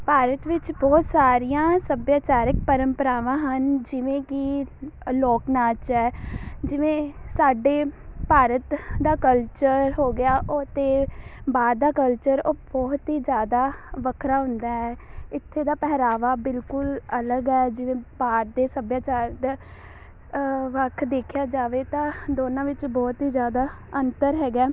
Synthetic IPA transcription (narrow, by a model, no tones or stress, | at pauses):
paːɾət̪ʋɪt͡ʃbɔːt̪saːɾijãːsəbjaːt͡ʃaːɾɪkpəɾəmpəɾaːʋãːɦənd͡ʒɪʋẽːki | lɔːknaːt͡ʃɛːd͡ʒɪʋẽːsaːɖeːpaːɾət̪d̪aːkəlt͡ʃəɾɦoːɡɪjaːʔot̪eːbaːd̪d̪aːkəlt͡ʃəɾoːbɔːt̪ɦiːd͡ʒjaːd̪aːʋəkʰɾaːɦʊ̃nd̪aːɦɛːɪt̪ʰːeːd̪aːpɛːɾaːʋaːbɪlkʊlələɡɛːd͡ʒɪʋẽːpaːɾd̪eːsəbjaːt͡ʃaːɾd̪ | ʋəkʰd̪eːkʰjaːd͡ʒaːʋeːt̪ãːd̪oːnãːʋɪt͡ʃbɔːt̪ɦiːd͡ʒjaːd̪aː | ənt̪əɾɦɛːɡaː